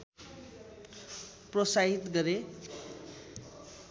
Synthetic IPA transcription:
prʌsaɦit̪ɡʌɾe

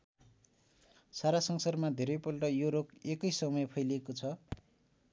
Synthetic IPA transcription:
saɾasʌŋsʌrmad̪ʱeɾʌjpolʈʌjoɾokekʌjsʌmʌjpʰʌjlekot͡sʰʌ

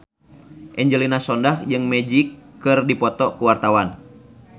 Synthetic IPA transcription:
ʔɛɲd͡ʒəlinasɔndahd͡ʒɨŋmɛd͡ʒikːɨrdipɔt̪ɔkuwart̪awan

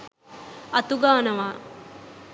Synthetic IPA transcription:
ɐt̪uɡaːnɐʋa

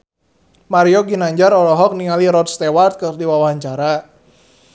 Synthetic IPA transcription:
maɾioɡinaɲd͡ʒaɾɔlɔɦɔk̚niŋaliɾɔt̪̚st̪ewart̪̚kərdiwawaɦaɲt͡ʃaɾa

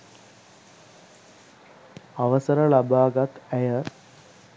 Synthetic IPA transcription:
aʋəsəɾəlabaːɡat̪æjə

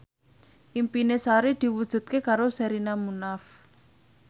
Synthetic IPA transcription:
ʔimpinesaɾid̪̥i̤wud̥ʒ̥ṳt̪̚kekaɾosɛɾinamunaf

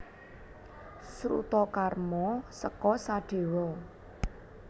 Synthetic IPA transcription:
sɾṵt̪ɔkarmɔsəkɔsaɖ̥e̤wɔ

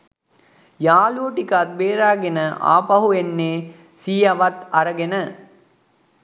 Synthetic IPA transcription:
jaːluoʈikat̪̚beːɾaːɡenəʔa̰ːpɐɦuenːeː | siːjɐʋɐt̪ɐɾəɡenə

